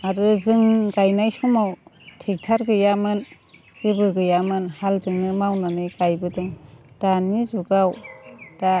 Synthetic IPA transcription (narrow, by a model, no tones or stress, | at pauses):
aɾɯzɯŋɡajnajsumawtʰek̚tʰaɾɡɯjamɯn | zibɯɡɯjamɯnhalzɯŋnɯmawnanɯjɡajbɯdɔŋd̥anizuɡawd̥a